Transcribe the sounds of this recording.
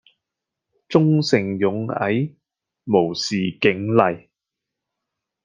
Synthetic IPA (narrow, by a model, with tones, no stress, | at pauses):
t͡sʊ˥ŋsɪ˨˩ŋjʊ˨˥ŋɐ̰˨˥j | mo˨˩wsiː˨˩kɪ˨˥ŋlɐ˨j